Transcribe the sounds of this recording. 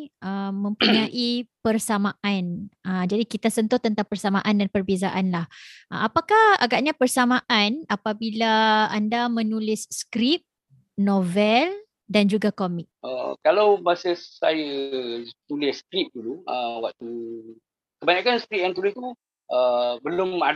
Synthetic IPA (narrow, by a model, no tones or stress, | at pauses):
əmə̃mpuɲaʔipərsamãʔanəd͡ʒadikit̪asənt̪ʊht̪ənt̪aŋpərsamaʔandanpərbezaʔanlahapakaha̰ɡaʔɲãpərsamãʔanapabilaandamənulɪsːkɾip̚ | novɛl | dand͡ʒuɡakomɪk̚ʔə̰kalawbasəsajə | t̪ulɪskɾip̚duluəwaʔt̪u | kəbaɲakansə̥kɾip̚jãŋt̪ulɪht̪u | ʔəbəlʊma